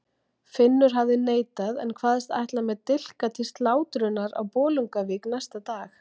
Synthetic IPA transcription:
fɪnːʏɾ̥ɦavðɪneːjt̪aðɛ̰nkʰvaːðɛst̪a̰jht̪lamɛðt̪ɪl̥kat̪ʰist̪laːwt̪ɾʏnːaɾa̰wpɔːluŋkavɪːknajst̪at̪aːx

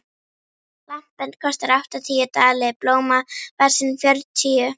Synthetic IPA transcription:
lam̥pɛnt̪̚kʰɔst̪aɾawht̪at̪ʰiːʏt̪aːlɪploːwmavɛɾ̥sɪnfjœɾt̪ʰiːʏ

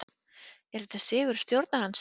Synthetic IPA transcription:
ɛɾðɛt̪asɛːɣʏɾ̥st̪jowɾt̪nahans

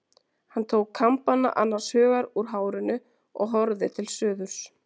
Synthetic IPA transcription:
hanːt̪ʰoːwkʰːampanːa̰ʔanːaɾ̥shœːɣaɾuɾɦaːwɾɪnːʏ | ɔ̰ɣɦɔɾðɪt̪ʰɪlsœːðʏɾ̥s

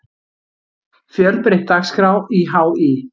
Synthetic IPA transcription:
fjœlpɾɪht̪ːakskɾaːwiɦaːwi

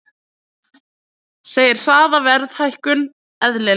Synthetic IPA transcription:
seːjɪɾ̥r̥aːðavɛɾðhajhkʏn | ɛðlɛ

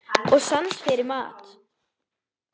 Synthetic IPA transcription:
ɔsansfɛɾɪma̰ːt̪ʰ

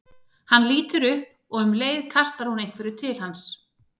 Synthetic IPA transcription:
hanliːt̪ʏɾʏhp | ɔɣʏmleːjðkʰast̪aɾ̥hunejnŋkʰvɛɾʏt̪ʰɪlhans

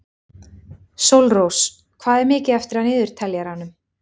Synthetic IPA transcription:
sowlrows | kʰvaːðɛɾmɪːcɪɛft̪ɪɾ̥hanɪːðʏɾ̥t̪ʰɛljaɾhanːʏm

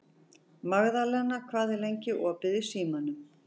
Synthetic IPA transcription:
maɣðalɛɣnːakʰvaːðɪlejɲcɪʔɔːpɪðɪsiːmanʏm

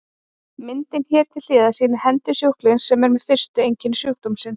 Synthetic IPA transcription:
mɪnt̪ɪnçɛːɾt̪ʰɪl̥ːɪːðasiːnɪɾ̥hɛnt̪ɪsjowhklɪnsɛmɛɾmɛðfɪr̥st̪ʏejɲcɪnːʏsjowhkt̪umsɪn

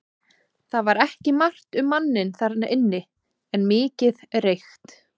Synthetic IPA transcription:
θaðvaɾɛhcɪmar̥t̪ʏmːanːɪnθaɾt̪aʔɪnːɪ | ɛnmɪːcɪðrejxt̪

